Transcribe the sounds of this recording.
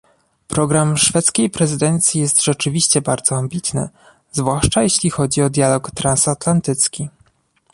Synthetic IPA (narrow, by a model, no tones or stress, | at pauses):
pɾɔɡɾamʂfɛt̪skʲejpɾɛzɘd̪ɛnt̪sʲjijɛst̪ʐ̥ɛt͡ʂɘvʲiɕt͡ɕɛbaɾd̪z̥ɔambʲit̪nɘ̰ | zvwaʂt͡ʂajeɕlʲixɔd͡ʑiɔd̪ʲjalɔkt̪ɾansat̪lant̪ɘt̪skʲi